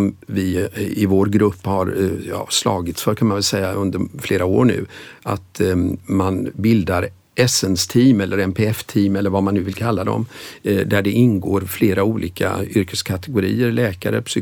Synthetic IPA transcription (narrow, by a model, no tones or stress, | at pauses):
mvɪɪvoːɾɡɾɵpːhaɾjɑ̰ːslɑ̰ːɡɪt̪sfœɾkʰanmanvɛlsɛjːaʔɵnd̪əɾfleːɾao̰ːɳʉ̟̰ːa̰t̪manbɪld̪aɾ | ʔɛsɛnst̪ʰiːmɛlːʔəɾɛmpʰeːɛft̪ʰiːmɛlːəɾvamanːʉ̟vɪlkʰalːad̪ɔ̰md̪æɖɛʔɪnɡoːɾfleːɾauːlʔiːkʰa̰ʏɾkəskʰat̪ɛɡʊɾḭːəɾlɛːkaɾə̰pʰsy